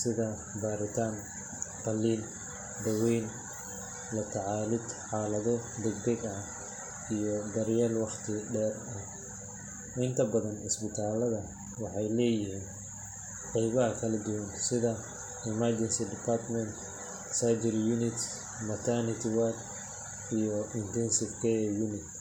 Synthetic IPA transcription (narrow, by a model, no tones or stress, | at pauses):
sɪðɐ | baːɾɪt̪ʰaːn | qɑlːiːl | d̪ɐwɛjn | lɐt̪ʰɑʕɑːlɪd̪ħɑːlɐðɔd̪ɛɡ̚d̪ɐɡɐ | ijɔd̪ɐɾjaːlwɑχt̪ʰɪɖɛːr | ɐ | ʔɪnt̪ʰɐbɐðɐnɪ̰sbɪt̪ʰaːlɐðɐ | wɑħɑjlɛːjɪhiːn | qɛjβɐɦɐkʰɐlɐd̪ʊwɐnsɪðɐ | ɪmard͡ʒɛnsidɪpʰart̪mɛnt̪ | sad͡ʒɪɾjunɪt̪ | mɐt̪ʰanɪt̪ʰɪwad̪ | ijɔɪnt̪ʰɛnsɪfkʰɛjjunɪt̪̚